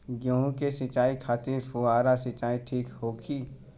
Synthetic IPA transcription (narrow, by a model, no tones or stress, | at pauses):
ɡõːɦũkesɪt͡ʃaːikʰaːt̪efuaːɾasɪt͡ʃaːiʈʰiːkhoːkʰiː